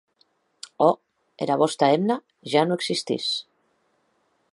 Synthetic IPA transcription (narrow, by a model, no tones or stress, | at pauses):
ɔ | ḛɾaβɔst̪aemna | ʒanoeksist̪ḭs